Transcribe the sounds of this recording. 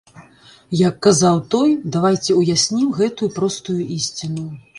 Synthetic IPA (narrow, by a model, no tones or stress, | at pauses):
jakːazawt̪ɔjd̪avajt͡sʲɛujasʲnʲimɣɛt̪ujupɾɔst̪ujuʔisʲt͡sʲinu